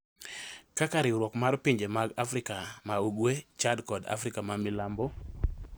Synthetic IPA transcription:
kakaɾɪɾwɔkmaɾpiɲd͡ʒemaɡafɾɪkamauɡwet͡ʃadkɔda̰fɾɪkamamɪlambɔ

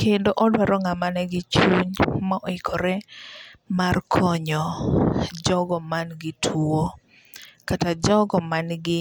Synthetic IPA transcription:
kendoʔɔdwaɾɔŋamanɛɡɪt͡ʃuɲmaʔɔɪkʰɔɾɛ | markʰɔɲɔ | d͡ʒɔɡɔmanɡɪtʰuo | katad͡ʒɔɡɔmanɡɪ

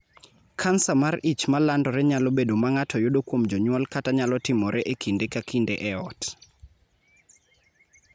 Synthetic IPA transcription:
kʰansamarit͡ʃmalandɔɾɛɲalobedomaŋatʰɔjoɗokwomd͡ʒɔɲwɔlkataɲalɔtɪmɔɾɛʔekʰindekakindeʔɛɔt

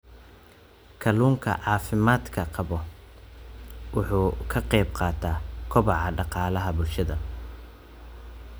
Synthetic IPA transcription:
kʰɐluːŋkʰɐ̰ʕɑːfɪmaːd̪kʰɐqɑβɔ | wʊħuːkʰɐqɛjbqɑːt̪ʰaːkʰɔβɑʕɑɖɑqɑːlɐɦɐbʊlʃɐðɐ

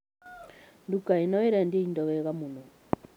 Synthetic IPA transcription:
ndukainɔiɾandiindɔwɛɣamunɔ

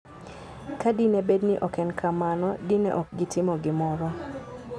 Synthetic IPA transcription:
kadinebedniʔɔkɛnkʰamanɔdinḛʔɔk̚ɡɪtɪmɔɡɪmɔɾɔ

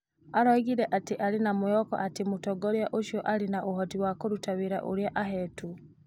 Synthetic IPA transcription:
aɾɔɣiɾɛʔatiʔaɾinamujɔkɔ̰ʔatimutɔɡɔɾjaʔoʃiɔʔalinaʔuɦɔtiwakoɾutaβiɾa̰ʔoɾjaʔaɦɛtu

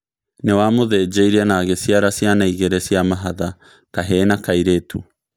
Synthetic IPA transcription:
newamoðɛːd͡ʒeiɾɛnaːɣesjaɾasjanaiɣeɾɛsiamaɦaða | kaɦɛnakaiɾeːtʰu

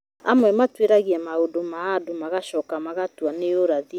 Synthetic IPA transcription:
amwɛmatweɾaɣiamaodomaadomaɣaʃɔkamaɣatwaneoɾaði

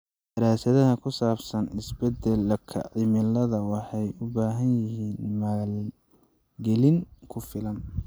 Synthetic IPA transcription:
d̪̥ɐɾaːsɐðɐɦɐkʰʊsaːbsɐnɪsbɛd̪ɛlkʰɐ̰ʕɪmɪlɐðɐwɑħɑjʊbaːɦɐnjɪɦiːnmɐal | ɡɛlɪŋkʰʊfɪlɐn

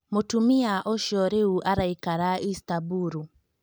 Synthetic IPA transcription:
motumiaʔɔʃɔɾeuʔaɾaikaɾaistabuɾu

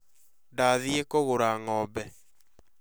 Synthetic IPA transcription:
daðiekoɣoɾaŋɔbɛ

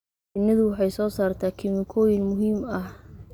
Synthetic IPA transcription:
ɪnːɐðʊwɑħɑjsɔːsaːrt̪ʰaːkʰɪmɪkʰɔːjɪnmʊɦiːmɐh

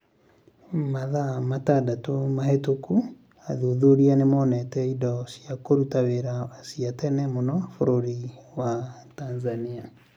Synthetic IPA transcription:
maðamatadatomahetoku | aðuðoɾianemɔːnɛtɛidɔsiakoɾutaweɾasiatɛnɛmonɔfoɾoɾiwatanzania

